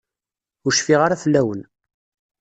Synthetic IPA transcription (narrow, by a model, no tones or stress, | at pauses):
ʊɾʃfiʁaɾafəlːæwən